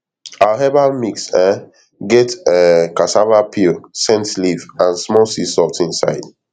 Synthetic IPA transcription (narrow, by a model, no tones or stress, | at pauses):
aaɦɛbalmiksɛ | ɡɛtɛkasavapʰilsɛ̃ntlivãnsmɔsisɔltĩnsa̰ɪd̥